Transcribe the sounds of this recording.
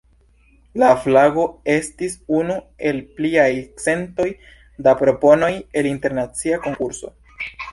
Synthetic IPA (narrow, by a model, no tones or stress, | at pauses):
laflaɡo̞e̞stisunu | e̞lpliajt͡se̞nto̞j | dapɾo̞po̞no̞je̞linte̞ɾnat͡siako̞ŋkuɾso̞̰